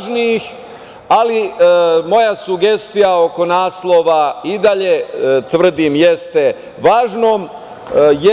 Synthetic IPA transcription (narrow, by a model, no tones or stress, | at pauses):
ʒniix | alimo̞jasuɡe̞st̪ijao̞ko̞naːslˠo̞ʋaid̪aʎet̪ʋr̩d̪imje̞st̪e̞ | ʋaːʒnoːm | j